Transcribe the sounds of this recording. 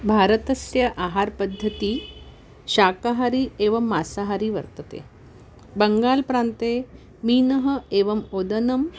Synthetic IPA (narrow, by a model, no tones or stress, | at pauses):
bʱaːɾɐt̪ɐsjɐʔaːɦaːɾpɐd̪ʱːɐt̪iː | ʃaːkaɦaɾieːʋɐmːaːsaɦaɾiʋɐ̰ɾt̪ɐt̪ḛː | bɐŋɡaːlpɾaːnt̪eː | miːnɐɦə̆eːʋɐmoːd̪ɐnɐm